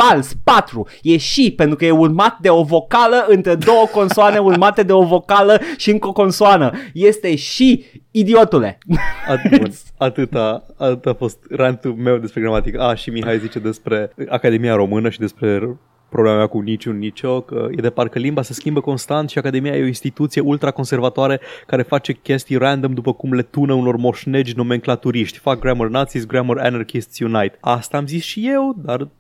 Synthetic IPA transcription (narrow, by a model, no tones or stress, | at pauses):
palspat̪ɾu | je̞ʃipe̞nt̪ɾukəje̞urmat̪̚d̪e̞o̞vo̞kaləɨnt̪ɾe̞d̪o̞wəko̞nsuane̞urmat̪e̞d̪e̞o̞vo̞kaləʃiɨŋkoko̞nsuanəje̞st̪e̞ʃiid̪io̞t̪ule̞̰at̪mut̪sʲat̪ɨt̪aat̪ɨt̪afo̞st̪rant̪ume̞wd̪e̞spɾeɡɾamat̪ikaʃimiɦajlzit͡ʃe̞d̪e̞spɾe̞akad̪e̞mijaɾo̞mɨnəʃid̪e̞spɾe̞ | pɾoblemamʲakunit͡ʃunːit͡ʃo̞kə̰jed̪e̞par̚kəlimbase̞skʲimbəko̞nst̪ant̪ʃiakad̪e̞mijajeoinst̪it̪ut̪sije̞ult̪ɾako̞nse̞rvat̪oaɾekaɾe̞fat͡ʃe̞kʲe̞st̪ijrand̪omd̪upəkumle̞t̪unəuno̞rmo̞ʃne̞d͡ʒʲno̞me̞ŋklat̪uɾiʃt̪ʲfak̚ɡɾamərnat̪sisɡɾaməɾa̰narkist̪sjunajt̪ast̪aːmzisʃije̞wd̪ar